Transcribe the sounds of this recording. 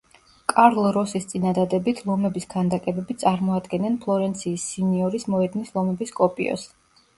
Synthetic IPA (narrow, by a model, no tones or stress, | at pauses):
kʼaɾlˠɾɔsist̪sʼinad̪ad̪ɛbit̪ʰlˠɔmɛbisɡand̪akʼɛbɛbit̪sʼaɾmɔad̪ɡɛnɛnpʰlˠɔɾɛnt̪sʰiːsːiniɔɾismɔɛd̪nislˠɔmɛbiskʼɔpʼḭɔ̰s